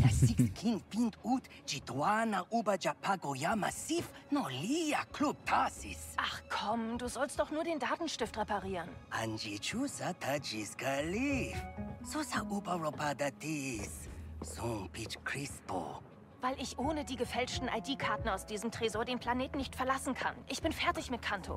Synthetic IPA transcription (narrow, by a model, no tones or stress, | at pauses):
j̥asikskʰintpintut | d͡ʒidwanaʔuːbɐd͡ʒapʰaɡojamasifnɔliakʰlup̚tʰasḭsʔaχkʰɔmduːzɔlst̚d̥ɔχnuːɐdeːndaːtn̩ʃtɪftʁepaʁiːʁənʔa̰nd͡ʒit͡ʃusat̪ʰad͡ʒisɡalifsosaʔubɐrɔpad̪atissũpit͡ʃkrispo̰ | vaɪlɪçʔoːnədiːɡəfɛlt͡ʃtn̩ʔaɪdiːkʰaɐtn̩aʊsd̥iːzəmtʁ̥ezoːɐdeːnpʰl̥aneːtn̩nːɪçtfɛɐlasn̩kʰa̰nʔɪçb̥ɪnfɛɐtɪçmɪt̚kʰantʰo̰